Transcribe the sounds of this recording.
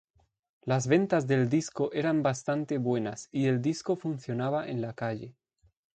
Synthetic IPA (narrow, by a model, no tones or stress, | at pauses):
lazβe̞nt̪azðe̞ld̪iskoʔe̞ɾambast̪ant̪eβwe̞nasie̞ld̪isko̞funθjo̞naβ̞aʔḛnlakaʎe